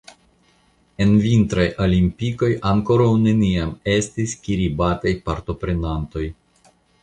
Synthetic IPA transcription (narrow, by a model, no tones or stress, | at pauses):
e̞nvint̪ɾajʔolimpiko̞jaŋko̞ɾawne̞niame̞stiskiɾibatajpaɾto̞pɾe̞nanto̞j